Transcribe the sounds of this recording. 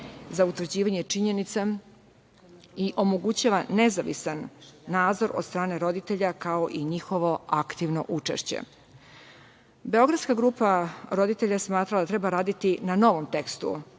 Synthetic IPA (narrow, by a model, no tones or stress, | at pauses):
zaut̪ʋɾ̩rd͡ʑiːʋaɲet͡ʂiɲenit̪sa | iʔo̞moɡut͡ɕaʋanezaʋḭsanːaːd̪zo̞ɾo̰d̪st̪ɾaːne̞ɾo̞d̪it̪eʎakaoʔiɲixo̞ʋo̞akt̪iʋno̰ʔut͡ʂḛʃt͡ɕḛ | be̞o̞ɡɾad̪skaɡɾuːpaɾo̞d̪it̪e̞ʎasmaːt̪ɾalad̪at̪ɾe̞baɾaːd̪it̪inano̞ʋomt̪ekst̪ṵ